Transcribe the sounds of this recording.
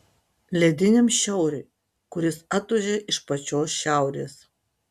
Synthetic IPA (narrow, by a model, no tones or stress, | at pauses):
lʲɛd̪ʲɪnʲemʃʲɛʊɾʲʊɪ | kʊɾʲɪsɐt̪ʊʒʲeʔɪʃpɐt͡ʃʲoːsʃʲæˑʊɾʲḛːs